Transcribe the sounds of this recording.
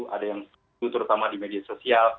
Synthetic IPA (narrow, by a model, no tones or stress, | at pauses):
ʔa̰dajaŋs | ut̪əɾut̪amadimediasosial